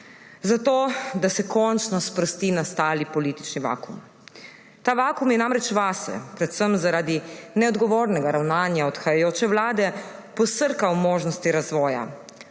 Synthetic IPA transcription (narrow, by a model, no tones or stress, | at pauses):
zat̪oːd̪asɛkɔnt͡ʃnɔspɾɔst̪iːnast̪aːlipɔliːt̪i̥t͡ʃniʋa̰ːkum | t̪aːʋaːkumjɛnaːmɾɛt͡ʃʋaːsɛ̰pɾɛt̪səmzaɾaːd̪inɛɔd̪ɡɔʋoːɾnɛɡaɾawnaːnjaɔt̪xajajoːt͡ʃɛʋlaːd̪ɛpɔsəɾkawmoːʒnɔst̪iɾazʋɔːja̰